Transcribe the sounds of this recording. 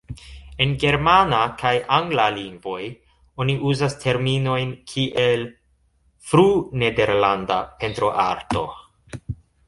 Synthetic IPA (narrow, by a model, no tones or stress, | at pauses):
e̞nɡe̞ɾmanakʰajʔaŋɡlaliŋɡvo̞j | o̞niʔuzastʰe̞ɾmino̞jnkʰiʔe̞l | fɾune̞de̞ɾlandape̞ntɾo̞ʔa̰ɾto̞̰